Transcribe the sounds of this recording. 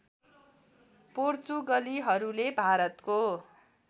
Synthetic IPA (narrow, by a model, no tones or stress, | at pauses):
port͡suɡʌliɦʌɾulebʱaɾʌt̪ko